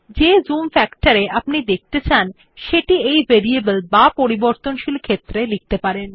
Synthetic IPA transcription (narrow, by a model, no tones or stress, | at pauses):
d͡ʑezumfɛkʈaɾeʔapnid̪ek̚t̪et͡ɕʰan | ʃeʈiejvʱeɾiebəlbapoɾiboɾt̪onʃilkʰet̪ːɾelik̚t̪epaɾen